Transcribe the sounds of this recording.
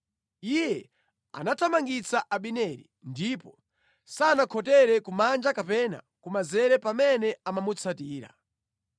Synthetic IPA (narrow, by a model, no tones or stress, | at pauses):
ijɛ | a̰natʰamaŋɡit͡saʔaɓinɛɾḭ | ndipɔ | sanakʰɔtɛɾɛkumand͡ʒakapɛna̰ | kumazɛɾɛpamɛnɛamamut͡sʰatiːɾa̰